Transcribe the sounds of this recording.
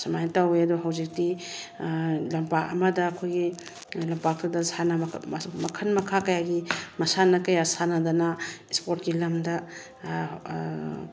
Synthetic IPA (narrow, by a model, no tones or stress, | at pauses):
sɐmajtaweɐduɦawzik̚ti | lɐmpakɐ̰mɐdɐːkʰojɡi | lɐmpak̚tʰadɐsanɐmɐkʰɐnmɐkʰakɐjaɡimɐsanɐkɐjasanɐdanɐispoɾt̚ɡilɐmdɐ